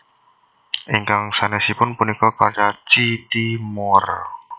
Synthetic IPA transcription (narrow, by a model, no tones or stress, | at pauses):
ʔiŋkaŋsanɛsipʊnpunikɔkart͡ʃat͡ʃit̪imɔr